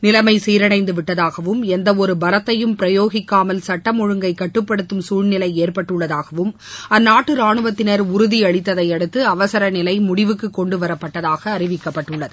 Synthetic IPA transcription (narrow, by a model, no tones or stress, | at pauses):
nɪlɐmɐɪsiːɾɐɳɐɪnd̪ɯʋɪʈːɐðaːɣɐʋɯmɛnd̪ɐɔɾɯbɐɾɐt̪ːɐjɯmpɪɾɐjoːɣɪkːaːmɐlsɐʈːɐmɔɻɯŋɡɐɪkːɐʈːɯpːɐɽɯt̪ːɯmsuːɻnɪlɐɪeːrpɐʈːɯɭːɐðaːɣɐʋɯm | ɐnːaːʈːɯɾaːɳɯʋɐt̪ːɪnɐɾʊɾʊðiɐɻɪt̪ːɐðɐɪɛɽɯt̪ːɯɐʋɐsɐɾɐnɪlɐɪmʊɽɪʋɯkːɯkːɔɳɖɯʋɐɾɐpːɐʈːɐðaːɣɐːɾɪʋɪkːɐpːɐʈːɯɭːɐðɯ